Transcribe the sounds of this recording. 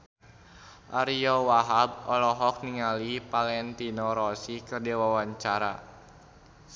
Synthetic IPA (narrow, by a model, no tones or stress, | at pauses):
ʔaɾiɔwaɦab̚ɔlɔɦɔk̚niŋalipalɛnt̪inɔɾɔsikɨrdiwawaɲt͡ʃaɾa̰